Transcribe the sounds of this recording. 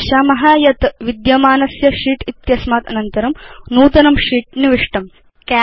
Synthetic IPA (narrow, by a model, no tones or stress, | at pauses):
ʃaːmɐɦaːjɐt̪ʋid̪jɐmaːnɐsjɐʂiːʈit̪jɐsmaːt̪ɐnɐnt̪ɐɾɐmnuːt̪ɐnɐmʂiːʈ̚niʋiʂʈɐm | ka